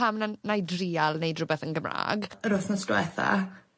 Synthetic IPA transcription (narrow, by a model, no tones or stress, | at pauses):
amnanajdriːalˠnejdrʊbɛθənɡəmra̰ːɡɾʊθnɔstwɛθa̰